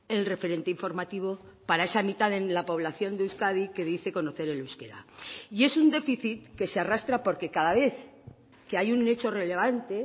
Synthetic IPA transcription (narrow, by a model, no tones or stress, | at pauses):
e̞lre̞fe̞ɾe̞nt̪eiɱfo̞ɾmat̪iβ̞o̞ | paɾae̞samit̪aðe̞nlapo̞β̞laθjo̞nd̪euwskaðike̞ðiθe̞ko̞no̞θe̞ɾe̞luskeɾa̰ie̞sund̪e̞fiθit̪ke̞searast̪ɾapo̞ɾke̞kaðaβe̞θ | ke̞ajune̞t͡ʃo̞re̞le̞β̞ant̪e̞